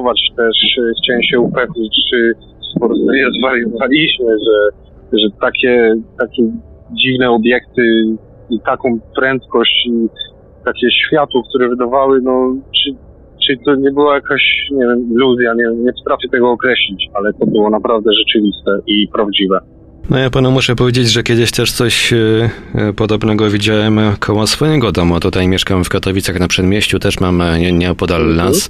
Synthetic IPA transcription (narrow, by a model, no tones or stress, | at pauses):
vat͡ʂt̪ɛʂxt͡ɕɛwɛmɕɛupɾɛxɲʲit͡ɕt͡ʂɘ | spɔɾɔzvaɾʲjɛzvaɾjɛzɔvalʲiɕmɘʐɛ | ʐɛt̪akʲɛt̪akʲɛ | d͡ʑivnɛɔbʲjɛkt̪ɘ | it̪akɔ̃w̃pɾɛnt̪kɔɕt͡ɕi | t̪akʲɛɕfʲjat̪wɔk̚t̪uɾɛvɘd̪avawɘnɔt͡ʂɨ | t͡ʂɨt̪ɔɲɛbɘwajakaɕɲɛvʲjɛmilːuzʲjaɲɛɲɛpɔ̥t̪ɾafʲjɛt̪ɛɡɔːkɾɛɕlʲit͡ɕalɛt̪ɔbɘwɔnapɾavd̪ɛʐɛt͡ʂɘvʲist̪ɛʔipɾavd͡ʑivɛ | nɔjapanumuʂɛpɔvʲed͡ʑed͡ʑʐɛkʲjɛd̪ɘɕt̪ɛʂt̪sɔɕ | pɔd̪ɔbnɛɡɔvʲid͡ʑawɛmkʰɔwɔsfɔjɛɡɔd̪ɔmut̪ut̪ajmʲjɛʂkamfkat̪ɔvʲit̪saxnapʂɛd̪mʲjeɕt͡ɕut̪ɛʂmamɛɲɛɔpɔd̪alnas